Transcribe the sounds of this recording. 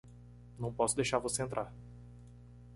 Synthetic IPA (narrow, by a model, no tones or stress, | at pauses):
nɐ̃w̃pɔsʊd̪ejʃaɾvoseẽt̪ɾʔaɾ